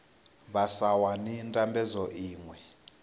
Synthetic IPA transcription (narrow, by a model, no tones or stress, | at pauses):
βasawanintʼambɛzɔʔiːŋwɛ